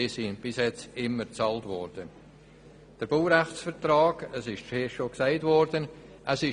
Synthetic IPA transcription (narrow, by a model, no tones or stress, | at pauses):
isinb̥ɪsjɛt͡sɪmːəɾt͡sɑːltvɔɾd̥ə | d̥əɾb̥owɾæχt͡sfəɾtrɑːɡəsɪʃt͡ʃeːʃoksaɪtvɔɾd̥ən | ʔəsɪ